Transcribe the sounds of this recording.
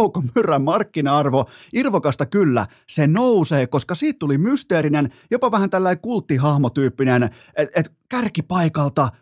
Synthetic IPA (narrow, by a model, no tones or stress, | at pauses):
ukomyrːæmmɑrkːinɑɑrʋoirʋokɑst̪ɑkylːæ̰ | senouseːkoskɑsiːt̪t̪ulimyst̪eːɾinenjopɑʋæhænt̪ælːæikult̪ːiɦɑhmot̪yːpːinen | eet̪ | kærkipɑikɑlt̪ɑ